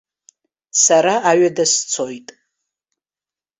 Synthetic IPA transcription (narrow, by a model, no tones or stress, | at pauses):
saɾaaɥadast͡sʰojtʼ